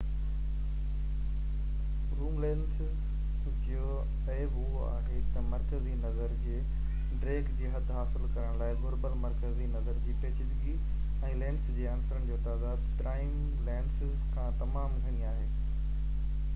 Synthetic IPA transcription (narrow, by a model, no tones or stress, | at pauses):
ɾuːmlɛːnsɪz | d͡ʑ | o | ɛbʊɦoa̰ːɦet̪ɐmɐɾkəzinɐzəɾkʰeː | ɖɾeːɡd͡ʑiːɦɐd̪ʱɦaːsɪlkɐɾəɽ̃laːɪɡʊɾbəlmɐɾkəzinɐzəɾd͡ʑiːpeːt͡ɕɪd̪ɡi | ɛ̃ːlɛ̃ːnsd͡ʑeːaːnsəɾəɽ̃ɪd͡ʑoːt̪aːd̪aːd̪ʈɾaːɪm | lɛːnsɪzkʰãːt̪ɐmaːmɡʱɐɽ̃iaːɦeː